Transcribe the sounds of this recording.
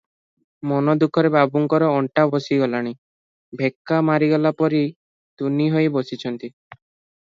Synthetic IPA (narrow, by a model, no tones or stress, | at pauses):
mɔnɔd̪ukʰɔɾebʱabuŋkɔɾɔɔɳʈabosiɡɔlaɽ̃i | bʱekːamaɾiɡɔlapɔɾi | t̪uniɦojbosit͡ʃʰɔnt̪i